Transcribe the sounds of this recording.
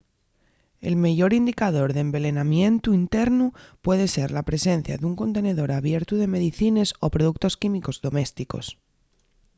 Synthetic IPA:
e̞̰lmeʝo̞ɾind̪ikaðo̞ɾðembe̞le̞namje̞nt̪uint̪e̞ɾnupwe̞ðe̞se̞ɾlapɾe̞se̞n̟θja̰ðuŋko̞nt̪e̞ne̞ðo̞ɾaβje̞ɾt̪uðe̞me̞ðiθine̞so̞pɾo̞ðuk̚t̪o̞skimiko̞zðo̞me̞st̪iko̞̰s

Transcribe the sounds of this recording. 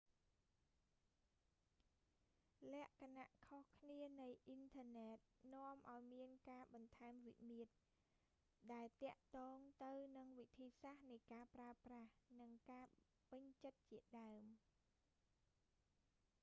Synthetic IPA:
lɛ̆əʔkʰanaʔkʰohkʰniənɨjʔint̪ʰəənɛːt̪̚nŏəmʔaɔjmiənkaːɓɑnt̪ʰaɛmʋḭmiət̪̚ | ɗaɛlt̪ɛ̆əʔt̪ɔːŋt̪ɨwnɨŋʋit̪ʰiːsahnɨjkaːpraəprahnɨŋkaː | pɨɲt͡ɕət̪̚t͡ɕiəɗaəm

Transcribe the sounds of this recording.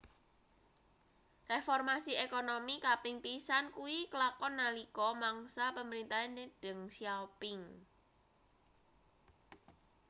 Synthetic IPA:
refɔrmasiekonomikapɪŋpisankuwikəlakɔnːalikɔmaŋsapəməɾint̪aeneɖ̥əŋsiapɪŋ

